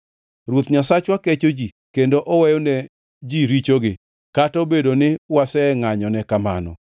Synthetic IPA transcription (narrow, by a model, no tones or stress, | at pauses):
rwot̪ɲasat͡ʃwaket͡ʃod͡ʒi | kendoʔɔwɛjonɛ | d͡ʒiɾit͡ʃoɡɪ | katɔbedonɪwasɛŋaɲɔnɛkama̰nɔ̰